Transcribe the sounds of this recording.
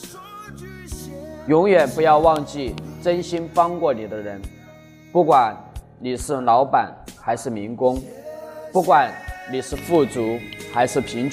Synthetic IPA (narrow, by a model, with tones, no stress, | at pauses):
jʊ˧˥ŋɥɛ˨˩npu˧˥jɑ˥˧ʊwɑ˥˧ŋt͡ɕi˥˩ʈ͡ʂə˥nɕi˥nfɑ˥ŋkwɔ˥˩ni˨˩d̪ə˦ɻə˧˥n | pu˥˩kwa˨˩˦n | ni˨˩ʂɻ̩˥˩lɑ˧˥ʊpa˨˩˦nxa˧˥ɪʂɻ̩˥˩mi˧˥ŋkʊ˥ŋpu˥˩kwa˨˩˦nni˨˩ʂɻ̩˥˧fu˥˩t͡su˧˥xa˧˥ɪʂɻ̩˥˩pʰi˧˥ŋt͡ɕ